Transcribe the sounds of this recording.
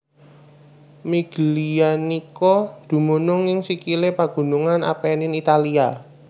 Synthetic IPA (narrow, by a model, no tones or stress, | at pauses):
miɡ̥əlianikɔd̪̥ṳmunʊŋɪŋsikilepaɡ̥ṳnuŋana̰penɪnit̪alia